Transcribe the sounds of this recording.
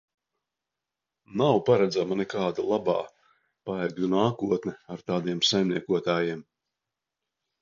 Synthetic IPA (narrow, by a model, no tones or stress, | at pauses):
nawpaɾɛd̪zamanɛkaːd̪alˠabɑː | paɛɡlunaːkuɔt̪nɛaɾt̪aːd̪iɛmsajmniɛkuɔt̪aːjiɛm